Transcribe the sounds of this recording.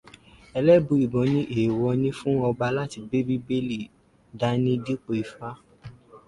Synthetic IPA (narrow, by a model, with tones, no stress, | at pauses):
ɛ˧lɛ˦bũ˨˧˦i˨bɔ̃˨˦nĩ˦ʔe˨wɔ˧nĩ˦fũ˦ɔ˧ba˧la˦ti˧be˦bi˦be˦le˦˨ | da˨˦nĩ˦di˦k͡po˧i˨fa˦